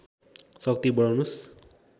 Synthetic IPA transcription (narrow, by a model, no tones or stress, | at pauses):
sʌk̚t̪ibʌawnus